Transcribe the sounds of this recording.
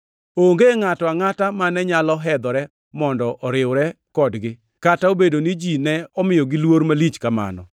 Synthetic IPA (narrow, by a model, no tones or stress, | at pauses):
oŋɡeŋatɔaŋatamanɛɲalɔɦɛd̪ɔɾɛ | mɔndɔʔɔɾɪwɾɛ | kɔdɡɪ | kataobedonid͡ʒinɛɔmɪjɔɡɪlwoɾmalit͡ʃkama̰nɔ̰